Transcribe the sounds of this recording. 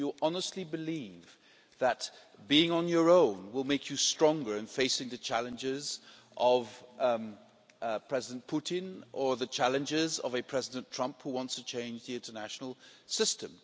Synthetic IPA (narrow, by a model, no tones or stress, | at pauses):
jəʔɑnəstˡlibɨliv | ðət̚ | b̥iɪ̃ŋə̃njə˞õʊ̃nwɪlˠmeɪkʰjɨstɹ̥ɔ̃ŋɡə˞ɨ̃nfeɪsɪ̃ŋðɨt͡ʃʰælˠɨ̃nd͡ʒɪz | ʔʌv̥ | pʰɹ̥ɛzɪdn̩pʰuɾɪ̃nə˞ðɨt͡ʃʰælˠɨ̃nd͡ʒɪzʌ̰vɨpʰɹ̥ɛzɪdɨ̃ntʰɹ̥ʌ̃mphuwɑ̃ntstʰɨt͡ʃʰẽɪ̃nd͡ʒðiɪ̃ntə˞næʃnl̩ˠsɪstɨ̃m